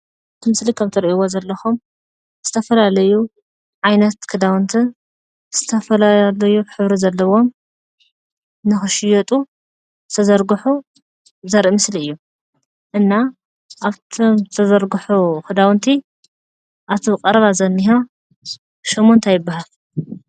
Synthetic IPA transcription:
ɨt̪ʰimɨslikʰaβt̪ʰiɾiʔiwozɐlːɐxum | z̥ɨt̪ʰɐfɐlalɐju | ʕajnɐt̪kʰɨd̪awnt̪ʰi | z̥ɨt̪ʰɐfɐlalɐjuħɨβɾizɐlːɐβo̞m | nɨxɨʃɪjɐt̪ʼu | zɨt̪ʰɐzɐɾɡɨħu | zɐɾʔimɨsliɨjːu | ʔɨnːa | ʔaβt̪ʰomzɨt̪ʰɐzɐɾɡuħukʰɨd̪awnt̪ʰi | ʔaβt̪ʰiqʼɐɾɐβazɐnːiɦa | ʃomːo̞nt̪ʰajɪbːaɦal

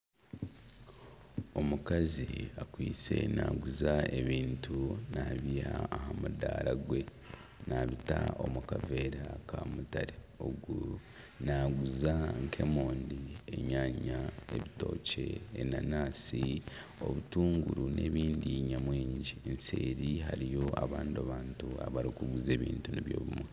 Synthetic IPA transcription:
o̞mukaziakwiːt͡se̞̰naːɡuzaeβiːntunaβijaːhamudaːɾaɡwe̞ | naβitao̞mukave̞ːɾakʰamutaɾe | oɡu | naɡuzaŋkʰe̞mo̞ːndie̞̰ɲaːɲae̞βito̞̰ːce̞ːnanaːsi | o̞βutuːŋɡuɾune̞ːβiːndiɲamwiːɲɟiense̞̰ːɾiɦaɾijo̞aβaːndiaβaːntua̰βaɾikuɡuze̞ːβḭːntuniβjo̞̰ːβumwe

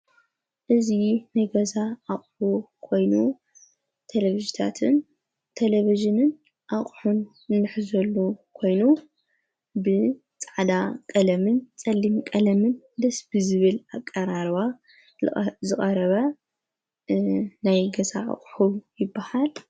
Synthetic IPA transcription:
ʔɨzinajɡɐzaʔaχʼħukʰo̞jnu | t̪ʰeleβiʒit̪ʰat̪ʰɨn | t̪ʰeleβiʒɨnɨn | ʔaχʼħun | ɨnːɨħzɐlːukʰo̞jnu | bɨ | t͡sʼaʕd̪akʼɐlɐmɨnt͡sʼɐlːimkʼɐlɐmɨn | d̪ɐsbɨzɨβɨlakʼːɐɾaɾβa | zɨkʼɐɾɐβɐ | najɡɐzaʔa̰χʼħujɪbːahal

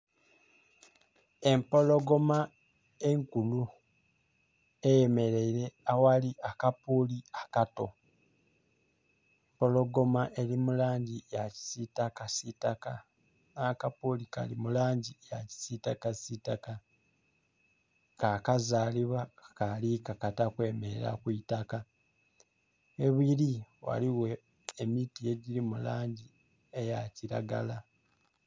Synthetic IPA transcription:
e̞mpo̞lo̞ɡo̞ma | e̞ŋkulu | ejeme̞ɾe̞iɾe̞awaliʔakapuːliakato̞ | empo̞lo̞ɡo̞maʔe̞limulaːɲɟijaci̥sitakasitaka | nakapolika̰limulaːɲɟijaci̥sitakasitaka | kakazaːliβwakalikakatakwe̞ːmeɾa̰kuitaka | eβiliwa̰liwe̞ | emitije̞ɟiɾimulaːɲɟi | e̞jaciɾa̰ɡa̰la

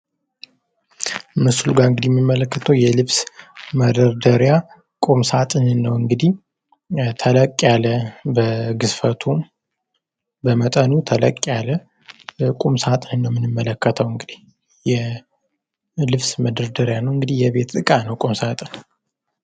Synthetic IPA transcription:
mɨsulɡaɨŋɡɨd̪ihjɛmːimːələkːət̪ʰəwjɛlɨβsməd̪əɾd̪əɾja | kʼumsat̪ʼɨnnəwɨŋɡɨd̪ih | t̪ʰələkʼːjaləbəɡɨsfət̪ʰu | bəmət̪ʼənut̪ʰələ̰kʼːjalə | kʼumsat̪ʼɨnnːəwmɨnɨmːələkːət̪ʰəwɨŋɡɨd̪ih | jɛ | lɨβsməd̪əɾd̪əɾjanəwɨŋɡɨd̪ihjɛbe̞t̪t̪ʼɨkʼanəwkʼumsat̪ʼɨn

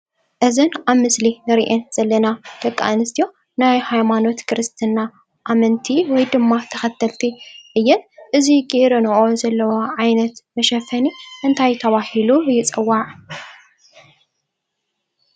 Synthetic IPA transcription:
ʔɨzɨnaβmɨslinɨɾiʔenz̥ɐlːɐnat̪ɐkʼːa̰nɨst̪ijo̞ | najhajmano̞t̪kʰɾɨst̪ʰɨnːa | ʔamɐnt̪ʰiwɔjd̪ɨmːat̪ʰɐxɐt̪ʰːɐlt̪ʰiʔɨjːɛnʔɨziɡʼiɾɐnɨʔozɐlːɐwɐʕajnɐt̪mɐʃɐfɐniʔɨnt̪ʰajt̪ʰɐβahilujɪt͡sʼɨwːaʕ

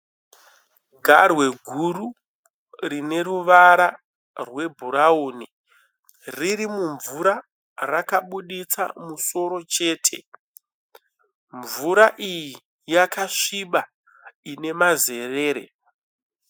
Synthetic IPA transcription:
ɡʱarwe̞ɡʱuɾu | rine̞ruʋaɾa | rwe̞bʱuɾauni | riɾimuɱvuɾa | rakaɓuɗit͡sa̰muso̞ɾo̞t͡ʃe̞ːtʰe̞ | ɱvuɾaʔiji | jakaʂiɓa | ine̞maze̞re̞ːɾḛ

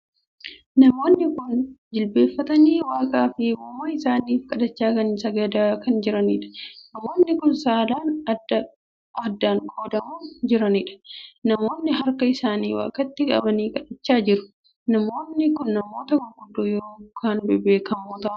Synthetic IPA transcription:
nɐmo̞ːnːɪkʊnd͡ʒɪlbe̞ːfːɐt̪ɐniːwaːkʼaːfɪmoːmɐɪsaːniːfkʼɐd̪ɐt͡ʃːaːkɐnsɐɡɐd̪aːkɐnd͡ʒɪɾɐniːᶑɐ̥nɐmoːnːɪkʊnsaːd̪aːnɐdɐ | ɐd̪ːaːŋkʰoːd̪ɐmuːnd͡ʒɪɾɐniːᶑɐ̥nɐmo̞ːnːɪɦɐɾkɐɪsaːnḭːwa̰ːkʼɐt̪ːɪkʼɐ̰bɐniːkʼɐᶑɐt͡ʃːaːd͡ʒɪɾʊ̥ | nɐmo̞ːnːɪkʊnːɐmo̞ːt̪ɐɡʊɡʊd̪ːoːjoɾokaːnbɪbeːkɐmoːt̪ɐː

